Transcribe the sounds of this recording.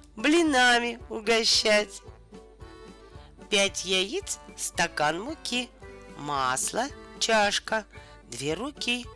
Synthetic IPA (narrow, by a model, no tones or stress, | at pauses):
blʲɪnamʲɪʊɡɐɕːætʲ | pʲætʲjajit̪sst̪ɐkanmʊkʲimaslˠət͡ɕaʂkə | d̪vʲeɾʊkʲi